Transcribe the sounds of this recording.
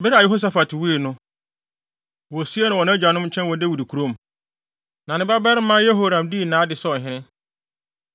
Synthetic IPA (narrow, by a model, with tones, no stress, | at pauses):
bɛ˦ɾa˨jɛ˦ho˦s̬a˨fa˨tʰɪ˨wu˦e˨nʊ̃˦ | wɔ˨si˦e˦nʊ̃˨wɔ˨ñ˦æ˦d͡ʑᶣa˨nʊ̃˦m̩˦t͡ɕʰɛ̃˦nwɔ̃˨de˦wu˨di˨kʰu˨ɾo˦m | nã˨nɪ̃˦ba˦bɛ˦ɾɪ˦mã˦je˦ɦo˦ɾã˨mdi˦˨nãː˨˦dɪ˨sɔ˦˨ɦɪ̃˦ɾɪ̃˦